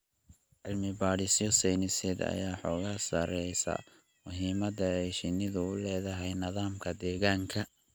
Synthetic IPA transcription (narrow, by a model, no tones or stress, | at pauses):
ʕɪlmɪbaːɽɪsjɔsɛjnɪsɛd̪ɐ̰jaːħɔːɣaːsɐɾɛjsɐ̰ | mʊɦiːmɐd̪ɐɛjʃɪnɪðʊʊlɛːðɐɦɛjnɐðaːmkʰɐd̪ɛːɣaːŋkʰɐ